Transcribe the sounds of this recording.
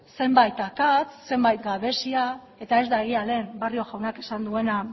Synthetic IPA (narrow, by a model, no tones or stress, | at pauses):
se̞mbajt̪akat͡sse̞mbajt̪ɡaβe̞sia | e̞t̪ae̞zd̪aeɣiale̞ːmbario̞ʝawnake̞sand̪ue̞na